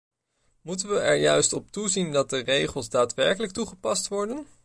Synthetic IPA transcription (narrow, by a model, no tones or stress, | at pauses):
mutənʋəɛɹjœɥstɔp̚tuzindɑt̚dərejχəlˠsdaːtʋɛɹkələk̚tuχəpɑstʋɔɹdən